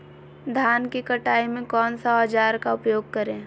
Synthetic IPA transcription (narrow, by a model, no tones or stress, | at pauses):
d̪ʱaːnkikɐʈaːimẽkɔːnsaaːd͡ʒaːɾkaʊpjoːɡ̚kɐɾẽː